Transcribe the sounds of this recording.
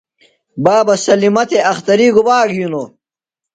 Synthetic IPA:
baːbɐsɐlimɐt̪ʰeɐxt̪ɐɾiɡubaːɡuno

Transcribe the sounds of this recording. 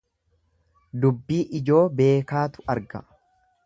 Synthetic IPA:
d̪ʊbːiːʔɪd͡ʒo̞ːbe̞ːkaːt̪ʊ̥ʔɐɾɡɐ

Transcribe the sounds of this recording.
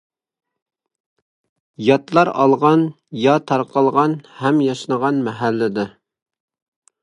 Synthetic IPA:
jɑt̪lˠɑɾɑ̰lˠʁɑn | jɑt̪ʰɑɾqɑlˠʁɑnhɛmjɑʃnəʁɑnmɛɦælːɪd̪ɨ

